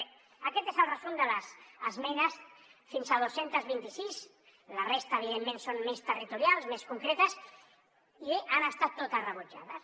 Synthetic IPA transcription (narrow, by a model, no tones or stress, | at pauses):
əkɛt̪ezəlˠrəzund̪ələzəzmɛnəsfinsaðosent̪əzβint̪isis | lərest̪əːβ̞iðemːẽnsonmest̪ərit̪uɾjalzmeskuŋkɾet̪əs | iʔanəst̪at̪ːot̪ərəβud͡ʒa̰ðəs